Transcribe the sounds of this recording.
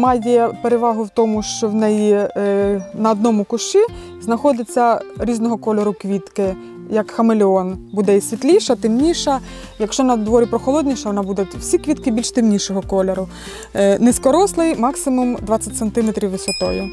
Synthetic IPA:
mɑjɛpeɾeʋɑɦʊwt̪ɔmʊʃt͡ʃɔwnɛji | nɐɔd̪nɔmʊkʊʃt͡ʃi | znɐxɔd̪ɪt͡sʲːɐɾʲiznɔɦɔkɔlʲeɾʊkʋʲit̪kɪ | jɐkxɐmelʲɪɔnbud̪ɛisʲʋʲit̪lʲiʃɐt̪ɪmnʲiʃɐ | jɐkʃt͡ʃɔnɐd̪ʋɔɾʲipɾɔxɔlˠɔd̪ʲnʲiʃɐʋɔnɑbud̪ʊtʲw̥sʲikʋʲit̪̚kɪbʲilʲʃt̪ɪmnʲiʃɔɦɔkɔlʲeɾʊ | nɪskɔɾɔslˠɪjmɑksɪmʊmd̪ʋɑt͡sʲːɐtʲsent̪ɪmet̪ɾʲiwːɪsʋɐt̪ɔ̰jʊ

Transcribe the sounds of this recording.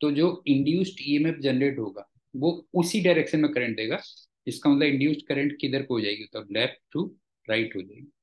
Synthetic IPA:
t̪od͡ʒoːɪ̃ɳɖjuːsʈiemepd͡ʒɛnɾeːʈɦoːɡaː | ʋoʊsiɖaɪɾekʃənmẽkɐɾə̃ɳʈd̪eːɡa | ɪskamɐt̪ləbɪ̃ɳɖjuːsʈkɐɾẽɳʈkid̪əɾkoɦod͡ʒaːeɡiot̪əblɛːfʈːu | ɾaːɪʈɦod͡ʒaːḛɡi

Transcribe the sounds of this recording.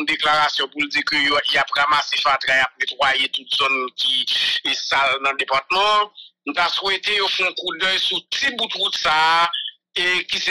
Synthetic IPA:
d̪eklaʁasjɔ̃puld͡zikøjojapɣamasefat̪ɾajap̚net̪ʁwajet̪utz̥ɔnkisalnɐ̃d̪epat̪mɐ̃ñ̩t̪aswet̪ejofɛ̃ɔ̃kudœjsutibut̪ɣut̪saː | ekise

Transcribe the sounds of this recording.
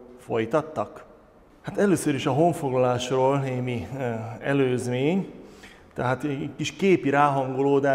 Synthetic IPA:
fo̞̰jt̪ɒt̪ːɒk | hat̪ɛløːsøɾiʃɒɦo̞ɱfo̞ɡlɒlaːʃroːlneːmiɛløːzmeːɲ | t̪ɛɦaːt̪kiʃkeːpiɾaːɦɒŋɡoloːd̪aː

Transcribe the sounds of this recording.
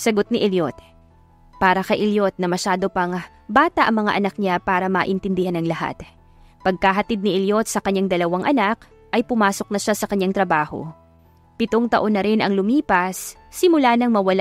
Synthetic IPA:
sɐɡot̪̚nɪʔɛljot̪ | paːɾɐkɐjʔɪljo̞t̪̚nɐmɐʃaːd̪o̞pɐŋ | baːt̪ɐʔɐŋmɐŋa̰ʔɐnɐk̚ɲapaːɾɐmɐʔɪnt̪ɪnd̪ɪhanɐŋlɐha̰t̪ | pɐɡ̚kaɦɐt̪id̪̚nɪʔɛljo̞t̪̚sɐkɐɲːaŋd̪ɐlɐwaŋʔɐnak | ʔɐjpʊmaːso̞k̚nɐʃasɐkɐɲːaŋt̪ɾɐbaːho̞̰ | pɪt̪oŋt̪ɐ̰ʔo̞nːɐɾɪnʔɐŋlʊmiːpɐsːɪmʊlanɐŋmɐwɐla

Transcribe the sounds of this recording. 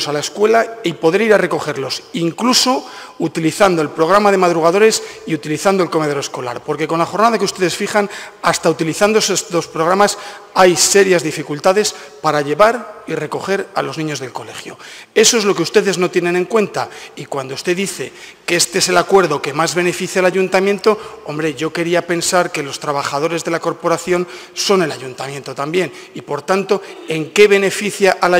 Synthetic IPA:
salaeskwe̞laipo̞ðe̞ɾiɾare̞ko̞χe̞ɾlo̞siŋkluso̞ | ut̪iliθand̪oelpɾo̞ɣ̞ɾamað̞e̞mað̞ɾuɣað̞o̞ɾe̞siut̪iliθand̪o̞elko̞me̞ð̞o̞ɾoe̞sko̞la̰ɾpo̞ɾke̞ko̞nlaχo̞ɾnaðakeust̪e̞ðe̞sfiχan | ast̪aut̪iliθand̪oesst̪ospɾo̞ɣ̞ɾamas | ajse̞ɾjazðifikult̪aðe̞s | paɾaʎe̞βaɾire̞ko̞xe̞ɾa̰lo̞znĩɲo̞zðe̞lko̞le̞xjo̞̰e̞so̞e̞zlo̞keust̪e̞ðe̞zno̞t̪jene̞ne̞ŋkwe̞nt̪aikwand̪oust̪e̞ðiθe̞keest̪eese̞lakwe̞ɾðo̞ke̞mazβ̞e̞ne̞fiθjalaʎunt̪amje̞nt̪o̞o̞mbɾe̞ʝo̞ke̞ɾiape̞nsaɾke̞lo̞st̪ɾaβ̞aχað̞o̞ɾe̞zðe̞lako̞ɾpo̞ɾaθjo̞nso̞ne̞laʎunt̪amjẽ̞nt̪o̞t̪ambje̞nipo̞ɾt̪ant̪o̞e̞ŋke̞β̞e̞ne̞fiθjaʔala

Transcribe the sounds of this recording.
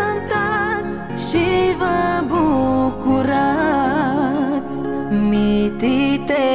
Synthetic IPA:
ənt̪at͡s | ʃivəbukuɾa | t͡s | mit̪it̪e

